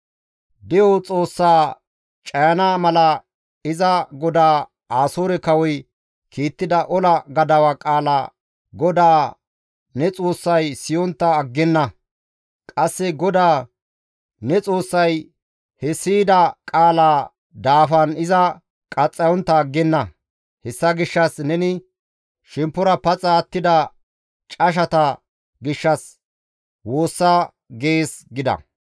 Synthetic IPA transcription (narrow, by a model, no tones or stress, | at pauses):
d̪ɛjɔt͡sʼo̞ːsːaː | t͡ʃʼɐjɐnaːmɐlɐ | ɪzɐɡɔd̪aː | aːsoːɾɛkɐwɔj | kʰiːt̪ːɪd̪ɐʔɔlɐɡɐd̪ɐwɐkʼaːla | ɡɔd̪aː | nɛt͡sʼo̞ːsːɐjsɪjɔnt̪ːɐːɡːɛnːɐ | kʼɐsːɛɡɔd̪aː | nɛt͡sʼo̞ːsːɐj | hɛsiːd̪ɐkʼaːlaː | d̪aːfɐnɪzɐ | kʼɐt͡sʼːɐjɔnt̪ːɐːɡːɛnːɐ | hɛsːɐɡɪʃːɐsnɛnɪ | ʃɛmpːʊɾɐpɐt͡sʼːɐːt̪ːɪd̪ɐ | t͡ʃʼɐʃ̬ɐt̪ɐ | ɡɪʃːɐs | wo̞ːsːa | ɡeːsɡɪd̪ɐ̰